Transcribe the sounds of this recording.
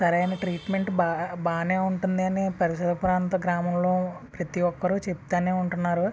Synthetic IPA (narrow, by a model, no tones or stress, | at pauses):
sɐɾɐjnɐʈɾiːʈme̞ɳʈbabaːneːuɳʈund̪iɐnipɐɾiʃɐd̪ɐpuɾaːnt̪ɐɡɾaːmɐmlo̞ːpɾɐt̪iʋɔkːɐɾut͡ʃept̪aːneːuɳʈunːaːɾu